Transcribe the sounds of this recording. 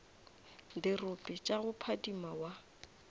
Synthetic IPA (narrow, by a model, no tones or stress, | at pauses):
dɪrʊpʼɪt͡ʃʼaɣʊpʰadimawa